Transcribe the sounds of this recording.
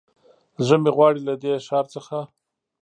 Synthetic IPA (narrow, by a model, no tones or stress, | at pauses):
zəmeɣwɑɽilad̪eʃɑɾt͡səxa